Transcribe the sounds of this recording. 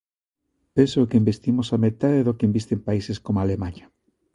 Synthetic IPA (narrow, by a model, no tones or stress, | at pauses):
pensokembest̪imosamet̪aðeðokembist̪empaiseskomoalemaɲa